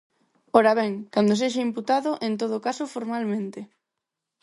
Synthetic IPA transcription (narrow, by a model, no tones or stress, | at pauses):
oɾaβ̞ɛŋkand̪os̬eʃaimput̪aðʊʔẽnt̪oð̞okasʊfoɾmalmẽnt̪ɪ